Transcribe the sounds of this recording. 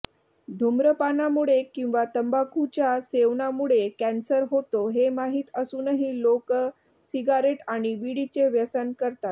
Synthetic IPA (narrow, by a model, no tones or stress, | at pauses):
d̪ʱumɾəpanamuɭekĩw̃ʋat̪əmbakut͡ɕjaseʋɳamuɭekænsəɾɦot̪oɦemaɦiːt̪əsuːnəɦiːlok | siɡaɾeʈaɽ̃iʋiɽit͡ɕeʋjəsənkəɾt̪at̪̚